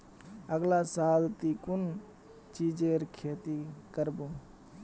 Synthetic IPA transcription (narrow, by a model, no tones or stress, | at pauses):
əɡlasalt̪ikun | t͡ʃid͡ʒeɾkʰet̪ikəɾbu